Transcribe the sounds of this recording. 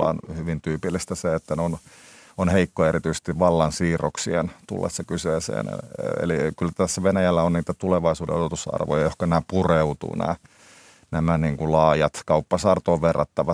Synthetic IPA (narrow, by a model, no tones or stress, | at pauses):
ɑ̰ːnhyʋint̪yːpilːist̪æseet̪ːænononheikːoeɾit̪yise̥st̪iʋʋɑlːɑnsiːroksiḛnt̪ṵlːḛsːɑkyseːsḛːn̰ḛlikylt̪æsːæʋenæjælːæonniːt̪æt̪uleʋɑisuːdḛot̪et̪usɑ̰rʋo̰jɑjohkɑnæːpureut̪ṵːnæ̰ː | næmæniːŋkulɑːjɑt̪kɑupːɑsɑːrt̪oːʋʋerːɑt̪ːɑʋɑ